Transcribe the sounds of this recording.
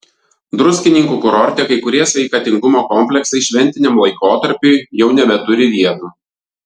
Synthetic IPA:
d̪ɾʊsʲkʲɪnʲɪŋkuːkʊɾɔɾʲt̪ʲeːkɐɪkʊɾʲiɛsʲʋʲɛɪkɐt̪ʲɪŋɡʊmoːkɔmʲpʲlʲɛksɐɪʃʲʋʲɛnʲt̪ʲɪnʲɛmlˠɐɪkoːt̪ɐɾʲpʲuːjɛʊnʲɛbʲɛt̪ʊɾʲɪʋʲiɛt̪uː

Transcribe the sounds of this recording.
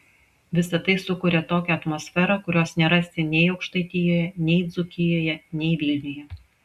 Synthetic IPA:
ʋʲɪsɐt̪ɐɪsʊkʊːɾʲɛt̪oːkʲɛɐt̪mɔsʲfʲɛɾɐkʊɾʲoːsnʲɛɾɐsʲt̪ʲɪnʲɛɪɒʊkʃt̪ɐɪt̪ʲɪjoːjɛnʲɛɪd̪zʊkʲɪjoːjɛnʲɛɪʋʲiːlʲnʲojɛ

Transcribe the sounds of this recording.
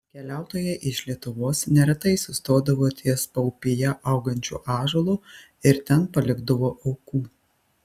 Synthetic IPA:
kʲɛlʲæˑʊt̪oːjɛʔɪʃlʲiɛt̪ʊʋoːsnʲɛɾʲɛt̪ɐɪsʊst̪oːd̪ɐʋoːt̪ʲʰiɛspɐʊpʲɪjɛʔɐʊɡɐnʲt͡ʃʲṵːʔɑːʒoːlˠu | ɪɾt̪ʲɛnpɐlʲɪɡd̪ɐʋoːʔɐʊkuː

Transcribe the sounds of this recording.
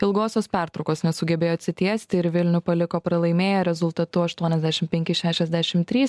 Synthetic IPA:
ɪlˠɡoːsʲoːspʲæˑɾt̪ɾɐʊkoːsnʲɛsʊɡʲɛbʲeːjoːɐt̪ʲsʲɪt̪ʲiɛsʲt̪ʲɪɪɾʋʲɪlʲnʲʊpɐlʲɪkoːpɾɐlˠɐɪmʲeːjɛːɾʲɛzʊlˠt̪ɐt̪ʊɐʃt̪uɔnʲɛzʲd̪ʲæʃʲɪmpʲɛŋʲkʲɪʃʲæːʃʲɛzd̪ʲæːʃʲɪmt̪ʲɾʲiːs

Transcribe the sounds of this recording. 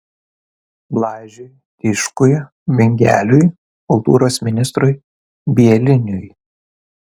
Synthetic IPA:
blˠɑːʒʲʊj | t̪ʲɪʃkʊj | ʋʲɪŋʲɡʲæ̰ːlʲʊj | kʊlˠt̪ṵːɾoːsmʲɪnʲɪst̪ɾʊj | bʲiɛlʲɪnʲʊj

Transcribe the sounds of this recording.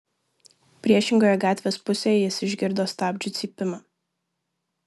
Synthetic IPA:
pʲɾʲiɛʃʲɪŋɡoːjɛɡɑːt̪ʲʋʲeːspʊsʲeːjɛɪsʲɪʒʲɡʲɪɾd̪oːst̪ɑːbʲd͡ʒʲʊt̪sʲiːpʲɪmɑː

